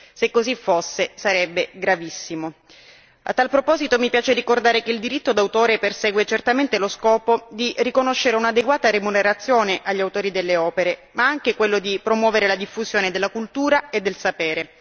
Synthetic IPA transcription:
sekːozifːosːesaɾɛbːeɡɾavisːimo | a̰t̪ːalpɾopɔːzit̪omipjaːt͡ʃerikord̪aːɾekeild̪iɾit̪ːod̪awt̪oːɾepersɛːɡwet͡ʃert̪ament̪eloskɔːpod̪irikonoʃːeɾeunad̪eɡwaːt̪aɾemuneɾat̪sːjoːneʔaʎːawt̪oːɾid̪elːeɔːpeɾemaaŋk̟ekwelːod̪ipɾomwɔːveɾelad̪ifːuzjoːned̪elːakult̪uːɾaed̪ːelsapɛːɾe

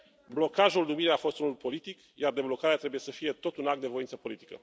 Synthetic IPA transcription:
blo̞kaʒulnumiɾeafo̞st̪unulpo̞lit̪ik | jard̪e̞blo̞kaɾeat̪ɾe̞buje̞səfije̞t̪o̞t̪unak̪̚d̪e̞vo̞int̪səpo̞lit̪i̥kə̰

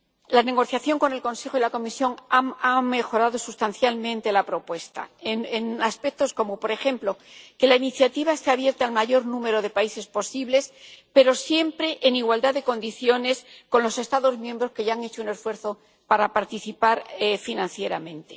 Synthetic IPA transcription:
lane̞ɣ̞o̞θjaθjo̞ŋko̞ne̞lko̞nse̞xo̞ilako̞misjo̞ŋaaŋme̞xo̞ɾaðo̞sust̪anθjalmẽ̞nt̪e̞lapɾo̞pwe̞st̪a̰enenaspek̚t̪o̞sko̞mo̞po̞ɾe̞xe̞mplo̞ke̞lainiθjat̪iβ̞aest̪eaβje̞ɾt̪aalmaʝo̞ɾnũme̞ɾo̞ðe̞paise̞spo̞siβle̞spe̞ɾo̞sje̞mpɾe̞ʔːniɣwald̪aðeko̞nd̪iθjo̞ne̞sko̞nlo̞se̞st̪aðo̞zmjẽ̞mbɾo̞ske̞ʝaaŋe̞t͡ʃoune̞sfwe̞ɾθo̞ | paɾapaɾt̪iθipaɾefinãnθje̞ɾamẽ̞nt̪e̞

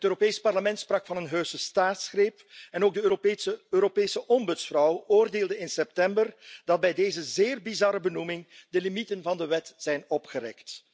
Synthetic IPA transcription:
ɦətøːɾopeːspɑrləmɛntsprɑkfɑnənɦøːsəstaːtsxreːpɛnoːɡ̚dəøːɾopeːsəʔɔmbɵtsfrɔwoːrdeːlˠdəɪnsɛp̚tɛmbərd̥ɑd̚bɛjdeːjzəzeːrbizɑɾəbənumɪŋdəlimitənvɑndəʋɛtz̥ɛjnɔpxəɾɛ̰kt

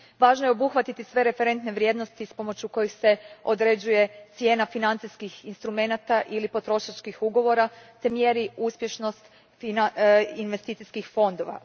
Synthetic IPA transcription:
ʋaːʒnojeobuxʋat̪it̪isʋe̞ɾe̞fe̞ɾe̞nt̪neʋɾʲje̞ːd̪no̞st̪ispo̞mo̞t͡ɕuko̞jixse̞o̞d̪ɾe̞d͡ʑuje̞t̪sje̞ːnafinant̪siskixinst̪ɾume̞nat̪aʔilipo̞t̪ɾo̞ʃat͡ʃkixuɡo̞ʋo̞ɾat̪e̞mjeɾiuspje̞ʃno̞st̪ | ininʋest̪it̪iskixfo̞nd̪o̞ʋa̰

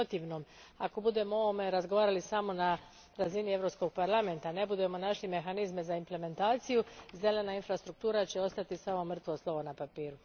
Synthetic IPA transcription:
ot̪iːʋnomako̞bud̪e̞mooome̞ɾazɡoʋaːɾalisamo̞na | ɾazinie̞vɾo̞psko̞ɡ̚paɾlame̞nt̪ane̞bud̪e̞mo̞naʃlime̞xanizme̞zaimple̞me̞nt̪aːt̪sijuze̞le̞nainfɾast̪ɾuk̚t̪uːɾat͡ɕe̞o̞st̪at̪isaːmomr̩t̪ʋo̞slˠo̞ʋonapapiːɾu

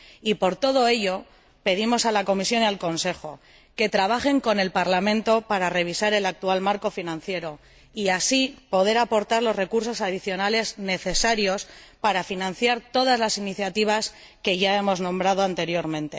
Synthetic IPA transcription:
ipo̞ɾt̪o̞ð̞o̞e̞ʎo̞ | pe̞ðimo̞salako̞misjo̞nialko̞nse̞xo̞ | ke̞t̪ɾaβaxe̞ŋko̞ne̞lpaɾlamẽ̞nt̪o̞paɾare̞β̞isaɾe̞lak̚t̪ualmaɾko̞finãn̟θje̞ɾo̞ | iasipo̞ðe̞ɾapo̞ɾt̪aɾlo̞zre̞kuɾso̞saðiθjo̞nale̞zne̞θe̞saɾjo̞spaɾafinãn̟θjaɾt̪o̞ð̞azlasiniθjat̪iβ̞as | ke̞ʝae̞mo̞znõ̞mbɾað̞oant̪e̞ɾjo̞ɾmẽnt̪e̞

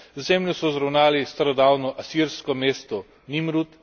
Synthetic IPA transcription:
zɛmljɔsɔzɾɐwnaːlist̪aɾɔd̪aːwnɔʔasiɾskɔmeːst̪ɔ | nimɾut̪

